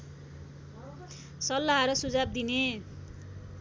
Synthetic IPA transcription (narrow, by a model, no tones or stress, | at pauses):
sʌlːaɦʌɾʌsud͡zab̚d̪ine